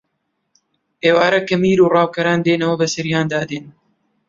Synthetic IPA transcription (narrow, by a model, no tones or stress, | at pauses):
ʔeːwaːɾɐkɐmiːɾuːrɑːwkɐɾaːnd̪eːnɐwɐbɐsɐɾijaːnd̪aːd̪eːn